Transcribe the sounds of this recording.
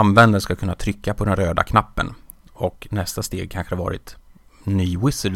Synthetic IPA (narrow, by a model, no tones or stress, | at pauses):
anvɛnd̪ənskakɵnːat̪ʰɾʏkːapʰɔd̪ɛnɾøːd̪a̰kʰnapːə̰nɔknɛst̪ast̪eːɡ̚kʰanɧə̥haɾvɑ̰ːɾɪ̰t̪ | nyːwɪsə